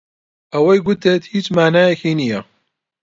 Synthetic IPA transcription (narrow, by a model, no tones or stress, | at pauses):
ɐwɐjɡʊt̪et̪hiːt͡ʃmaːnaːjɛkiːnija